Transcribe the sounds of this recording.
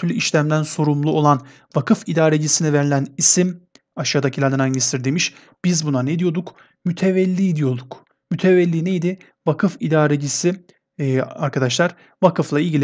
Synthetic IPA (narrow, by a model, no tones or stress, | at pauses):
yɾlʲyiʃlʲæmd̪ænso̞ɾumlˠuo̞lˠan | vakʰɯfid̪aːɾed͡ʒisiniveɾilʲænisimaʃaːd̪acʰilʲæɾd̪ænaɲɟist̪ʰiɾd̪emiʃ | b̥izbunaned̪ijo̞d̪uk | myt̪ʰevælʲːiːd̪ijo̞d̪uk | myt̪ʰevælʲːiːnejd̪ɪ | vakʰɯfid̪aːɾed͡ʒisi | a̰ɾkʰad̪aʃlˠaɾ̥ | vakʰɯflˠailʲɟilʲi